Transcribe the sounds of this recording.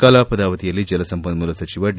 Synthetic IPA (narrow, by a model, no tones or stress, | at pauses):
kaːlaːpɐd̪aːʋɐt̪ijɐlːid͡ʒɐlɐsɐmbɐnmulɐsɐt͡ʃiʋɐɖ